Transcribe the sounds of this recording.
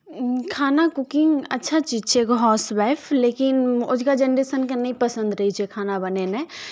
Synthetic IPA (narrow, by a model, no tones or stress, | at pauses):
kʰaːnakʊkɪ̃ŋɡɐ̰tːʃʰat͡ʃiːd͡ʒt͡ʃʰekoɦɔːswaːɪpʰleːkɪnʊ̰d͡ʒkad͡ʒɐnɾeːsənkɐnipɐsə̃nd̪ɾɐɦit͡ʃʰiekʰaːnabɐnenẽ